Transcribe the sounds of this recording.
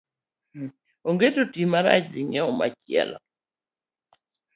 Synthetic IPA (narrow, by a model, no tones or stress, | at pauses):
oŋɡetotimaɾa̰d͡ʒiŋɛɔma̰t͡ʃjɛ̰lɔ̰